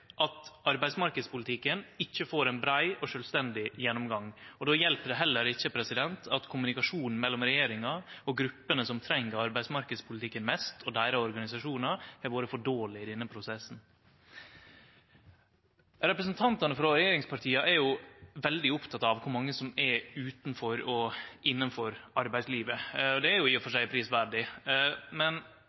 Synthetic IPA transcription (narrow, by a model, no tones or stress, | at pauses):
ʔɑt̪ɑɾbæɪsmɑɾkəd̪spʊlɪt̪ʰɪkːənɪçːəfoːɾɛnbɾæɪɔʂœlst̪ɛnd̪ɪjɛnːɔmɡɑŋɔd̪oːjɛlpəɖ̪ɛɦɛlːəɾɪçːəpʰɾɛsɪd̪ɛnt̪ʰɑt̪kʰʊmʉnɪkɑʂuːnn̩mɛlːɔmɾɛjeːɾɪŋɑɔɡɾʉpːənəsɔmt̪ʰɾɛŋːəɾɑɾbæɪd̪smɑɾkəd̪spʰʊlɪt̪ʰɪkːənmɛst̪ʰɔd̪æɪɾəɔɾɡɑnɪsɑʂuːnɑɛɾʋoːɾəfɔɖoːlɪɪd̪ɛnːəpʰɾʊsɛsn̩ | ɾɛpɾəsnt̪ʰɑnt̪ɑnəfɾɑɾɛjeːɾɪŋspʰɑɾʈʰiːɑʔɛɾjʊʋɛld̪ɪʊpt̪ʰɑt̪ɑʋkʰʊɾmɑŋːəsɔmɛɾʉːt̪n̩fɔɾɔʔɪnːənføɾɑɾbæɪsliːʋəɔd̪ɛæɾjʊɪəfɔʂæɪpʰɾiːsʋæɖɪ | mɛn